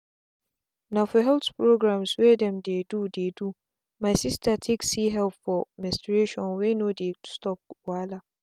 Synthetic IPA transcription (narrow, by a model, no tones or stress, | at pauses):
nafɔɦɛltpɾoɡɾãmsweːdɛ̃mdedudedu | majsistʰatʰeksiɦɛlpfɔmɛ̃stɾeʃɔ̃nwenodestɔp̚wala